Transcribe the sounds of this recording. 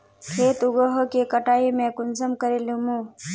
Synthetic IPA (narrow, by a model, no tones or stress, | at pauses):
kʰeːt̪ʊɡəɦokekəʈaːimẽkʊnsəmkəɾelũmũː